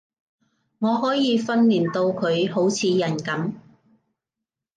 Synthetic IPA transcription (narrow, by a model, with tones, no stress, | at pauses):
ŋɔː˨˧ɦɔː˨˥jiː˨˧fɐ˥nliː˨˩nt̪o˧wkʰɵ˨˧ɥho˨˥wt͡sʰiː˨˧jɐ˨˩nkɐ˨˥m